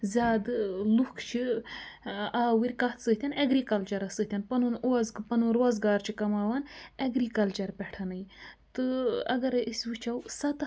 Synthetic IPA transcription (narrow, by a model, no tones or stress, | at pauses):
zʲaːd̪ɨlukʰt͡ʃʰi | aːwiɾʲkɐt̪sət̪ʰʲɐnɐɡɾikɐlt͡ʃɐɾɐsɨt̪ʰʲɐnpɐnunoɐzkɨpɐnuɾɐzɡaːɾt͡ʃʰikɐmaːwanɐɡɾiːkɐlt͡ʃɐɾpʲɛʈʰɐnɐjt̪ɨɐ̰ɡɐɾisʲʋit͡ʃʰɐwsɐt̪